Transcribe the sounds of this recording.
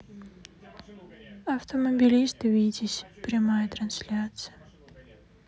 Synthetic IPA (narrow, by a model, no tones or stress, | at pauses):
ɐft̪oməbʲilʲist̪vʲidʲisʲpɾʲɪmajət̪ɾɐnsʲlʲat̪sɨjə